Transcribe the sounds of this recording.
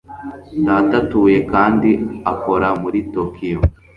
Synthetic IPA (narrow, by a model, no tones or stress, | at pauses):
daːtatuːje̞kaːndiako̞ɾamuɾitokijo